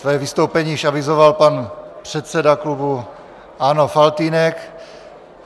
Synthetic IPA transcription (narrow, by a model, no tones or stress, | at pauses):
svɛːvist̪owpɛɲiːiʃavizovalpanpr̝̥ɛt̪t͡sɛdaklubu | anofalt̪iːnɛk